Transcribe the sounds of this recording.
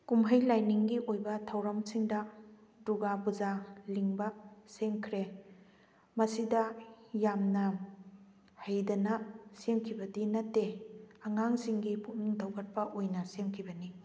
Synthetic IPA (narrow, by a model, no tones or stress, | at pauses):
kumɦɐjlajniŋɡiʔojbɐtʰɐwɾɐmsiŋdɐduɡabuzaliŋbɐseŋkʰɾe | mɐsidɐjamnɐ | hajdɐnɐsemkʰibɐdinɐtːeɐŋaŋsiŋɡiput̚niŋdʰɐwɡɐt̚pɐʔojnɐsemkʰibɐni